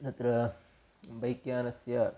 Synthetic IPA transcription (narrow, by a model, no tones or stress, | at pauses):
nɐt̪ɾɐ | bɐjkjaːnɐsjɐ